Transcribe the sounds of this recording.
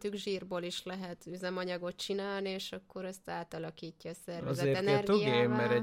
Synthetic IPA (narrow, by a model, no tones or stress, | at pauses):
t̪yɡʒiːrboːliʃlɛɦɛt̪yzɛmɒɲɒɡo̞t̪t͡ʃinaːlnieːʃɒkːo̞ɾɛst̪aːt̪ɒlɒkiːcːɒːsɛrvɛzɛeːɛnrɡt̪oɡijemɛɾɛ